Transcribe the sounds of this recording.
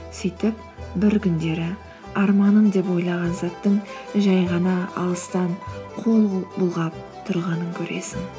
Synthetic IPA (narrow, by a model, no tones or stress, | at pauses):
sijt̪ɪp̚ | bɪɾkʲʰʏnd̪e̞ɾɪ | ɑɾmɑnənd̪e̞p̬o̞jlˠɑʁɑnzɑt̪ːəɴʒɑjʁɑnɑɑ̰lˠəst̪ɑɴqʰo̞lˠbʊlˠʁɑp̚ | t̪ʰʊɾʁɑnəŋkʲʰɵɾe̞̰sɪŋ